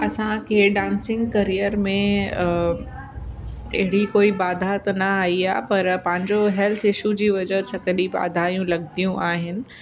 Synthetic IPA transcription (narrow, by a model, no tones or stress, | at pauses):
ɐsãkʰeːɖãːnsɪ̃ŋɡkɐɾijəɾmẽ | ɪ̰ɦɪɽikoːibaːd̪ʱaːt̪nɐaːiaːɦepɐɾpɐ̃ɦɪ̃ɲd͡ʑoɦɛlt̪ʰɪʃud͡ʑiːʋɐd͡ʑəsɐkəɗiba̰ːd̪ʱaːjũlɐɡt̪ijũʔaːɦɪnɪ̆